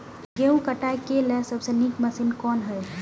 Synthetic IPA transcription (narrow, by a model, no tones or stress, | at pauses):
ɡeũkəʈajkelɛsəbsenikməsinkɔːnɦɛ